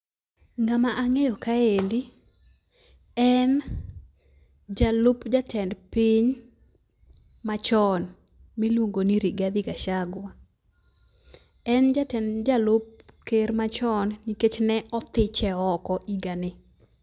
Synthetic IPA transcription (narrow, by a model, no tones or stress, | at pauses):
ŋamaʔaŋejɔkaendi | ɛn | d͡ʒalʊpd͡ʒatʰɛndpiɲ | mat͡ʃɔn | milwoŋɡoniɾiɡad̪ɪɡaʃaɡwa | ɛnd͡ʒatɛnd͡ʒalʊp̚keɾmat͡ʃɔnniket͡ʃnɛʔɔt̪ɪt͡ʃɛɔkɔʔiɡanɪ